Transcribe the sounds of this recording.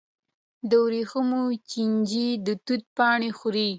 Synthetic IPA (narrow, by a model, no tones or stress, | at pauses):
d̪əwɾixəmot͡ʃind͡ʒid̪ət̪ut̪̚pɑɳexuɾi